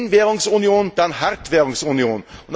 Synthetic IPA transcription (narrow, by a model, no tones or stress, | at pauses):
nʋeːɾʊŋsʊnɪuːnd̪ænhæɾt̪ʋeːɾʊŋsʊnɪuːnɔd̪